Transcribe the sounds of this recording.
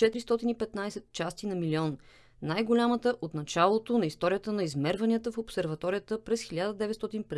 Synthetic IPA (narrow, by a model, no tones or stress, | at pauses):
t͡ʃɛt̪iɾist̪ɔt̪inipɛt̪najsɛt̪t͡ʃast̪inɐmiliɔn | najɡolʲamət̪əʔot̪nɐt͡ʃalˠot̪onɐist̪ɔɾijət̪ənɐizmɛɾvɐnʲiət̪əfopsɛɾvɐt̪ɔɾijət̪əpɾɛsxilʲad̪əd̪ɛvɛt̪st̪ɔt̪inp